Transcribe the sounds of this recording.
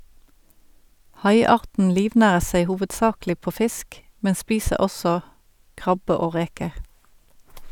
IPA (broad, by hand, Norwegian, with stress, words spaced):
ˈhɑɪˌɑːʁtn̩ ˈliːʋˌnæːʁəʁ ˈseɪ ˌhuːʋədˈsɑːklɪ ˈpoː ˈfɪsk ˈmɛn ˈspiːsəʁ ˈɔsɔ ˈkʁɑbə ˈoː ˈʁeːkəʁ